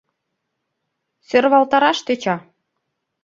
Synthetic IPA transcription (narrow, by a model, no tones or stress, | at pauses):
sørβɑlˠt̪ɑɾɑʃt̪øt͡ɕɑ